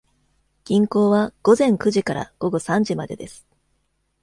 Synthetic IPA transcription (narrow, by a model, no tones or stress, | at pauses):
ɡ̥ʲĩŋko̞ːβaɡ̥o̞zẽ̞ŋkɯ̟ʑikaɾa̰ɡ̥o̞ɡo̞sãɲ̟d͡ʑimad̪e̞̰d̪esɨ̥